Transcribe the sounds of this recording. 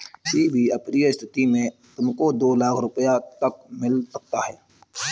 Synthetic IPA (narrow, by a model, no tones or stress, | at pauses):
ɪsiːbʱiɐpniɪst̪ɪt̪imẽt̪ʊmkod̪oːlaːkʰɾʊpəjat̪ɐk̚mɪlsɐk̚t̪aɦɛː